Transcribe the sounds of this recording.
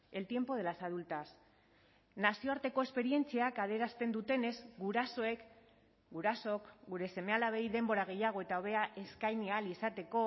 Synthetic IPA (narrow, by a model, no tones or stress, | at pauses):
e̞lt̪je̞mpo̞ð̞e̞lasað̞ult̪as | nasio̞aɾt̪e̞ko̞e̞spe̞ɾie̞nt͡siakaðeɾast̪e̞nd̪ut̪e̞ne̞zɡuɾaso̞e̞k | ɡuɾaso̞kɡuɾe̞se̞me̞alaβe̞jðe̞mbo̞ɾaɣ̞e̞jaɣ̞o̞e̞t̪aoβe̞aʔe̞skajnialisat̪e̞ko̞